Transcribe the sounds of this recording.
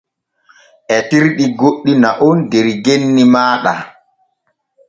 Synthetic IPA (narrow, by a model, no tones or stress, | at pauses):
ʔɛtiɾɗiɡoɗːinaʔɔndɛɾɡenːimaːɗa̰